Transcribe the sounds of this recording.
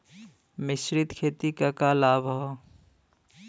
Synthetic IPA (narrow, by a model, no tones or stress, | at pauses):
mɪʃɾɪt̪kʰeːt̪ikakalaːbʱɦɔː